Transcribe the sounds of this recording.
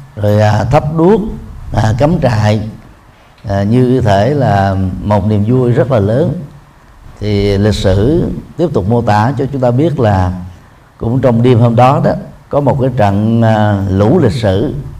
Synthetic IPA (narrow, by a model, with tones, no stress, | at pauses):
zo˨˩jaː˨˩t̪ʰə˦˥p̚ɗu˦˥ək̚aː˨˩ka˨˦mt͡ɕa̰ː˧˨j | ɲɨ˧t̪ʰe˧˩laː˨˩mo˨˩t̚ni˨˩əmzu˧əjzə˦˥t̚laː˨˩ləː˨˦n | t̪ʰi˨˩lï˨˩k̟̚sɨ˧˩t̪i˦˥əp̚t̪ʊ˨˩k͡p̚mo˧t̪aː˧˩t͡ɕɔ˧t͡ɕʊ˨˦ŋ͡mt̪aː˧ɓi˦˥ət̚laː˨˩ | kʊ̰˧˥ŋ͡mt͡ɕɔ˧wŋ͡mɗi˧əmhoː˧mɗɔ˨˦ɗɔ˨˦kɔ˨˦mo˨˩t̚kaː˨˦jt͡ɕə̰˧˨nː˨˩ | lu˧˩lï˨˩k̟̚sɨ̰˧˩˨